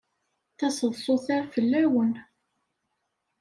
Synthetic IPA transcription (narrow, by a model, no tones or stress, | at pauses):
θæsˤəðˤsˤʊθæʁfəlːæwən